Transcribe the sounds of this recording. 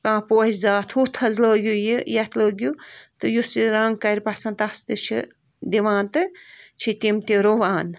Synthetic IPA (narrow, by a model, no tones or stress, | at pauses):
kãːpoːhʲizaːt̪ʰut̪ʰɐzləːɡʲujijɐt̪ʰləːɡʲjut̪ɨjusiɾaŋɡ̚kɐɾʲpɐsɐnt̪ɐst̪ɨt͡ʃʰḭ | d̪iʋãːnt̪ɨt͡ʃʰit̪imt̪iɾoʋaːn